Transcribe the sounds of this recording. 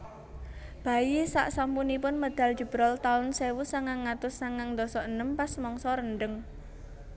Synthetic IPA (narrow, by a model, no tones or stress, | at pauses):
b̥a̤isa̰ʔsampunipʊnməd̪̥a̤l̥d͡ʒ̥ə̤b̥ɾɔlt̪aʊnsewusaŋaŋːat̪ʊsaŋaŋd̪ɔsɔʔənəmpasmɔŋsɔɾənɖəŋ